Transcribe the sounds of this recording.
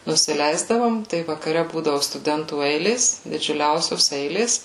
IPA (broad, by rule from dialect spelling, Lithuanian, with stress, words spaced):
nʊsʲɪˈlʲɛɪzdɐʋoːm tɐɪ ʋɐkɐˈrʲɛ ˈbuːdɐʋʊ stʊˈdʲɛntuː ˈɛɪlʲeːs dʲɪd͡ʒʲʊˈlʲɛʊsʲoːs ˈɛɪlʲeːs